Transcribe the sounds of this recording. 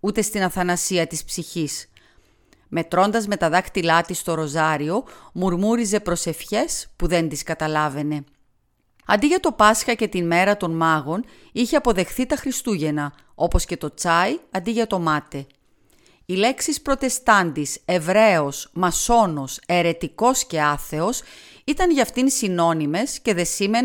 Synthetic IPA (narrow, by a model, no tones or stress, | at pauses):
ut̪e̞st̪inɐθɐnɐsiɐt̪ispsiçis | me̞t̪ɾo̞nd̪ɐzme̞t̪ɐðɐkt̪ilɐt̪ist̪o̞ɾo̞zɐɾio̞muɾmuɾize̞pɾo̞se̞fçe̞spuðe̞nd̪iskɐt̪ɐlɐve̞ne̞ | ɐ̰nd̪iʝɐt̪o̞pɐsxɐce̞t̪inme̞ɾɐt̪o̞nmɐɣo̞n | içe̞ɐpo̞ðe̞xθit̪ɐxɾist̪uʝe̞nɐ | o̞po̞sce̞t̪o̞t͡sɐiɐnd̪iʝɐt̪o̞mɐt̪e̞ | ile̞ksispɾo̞t̪e̞st̪ɐnd̪ise̞vɾe̞o̞smɐso̞no̞se̞ɾe̞t̪iko̞sce̞ɐθe̞o̞s | it̪ɐnʝɐft̪insino̞nime̞sce̞ðe̞sime̞n